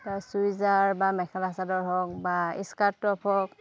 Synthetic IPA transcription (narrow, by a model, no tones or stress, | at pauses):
asujzaɹbamɛkʰɛlasadɔɹɦɔk̚baḭskatːɔpʰɔk